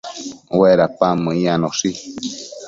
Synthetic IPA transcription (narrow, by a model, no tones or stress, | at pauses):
weɾapamɨ̃ianosi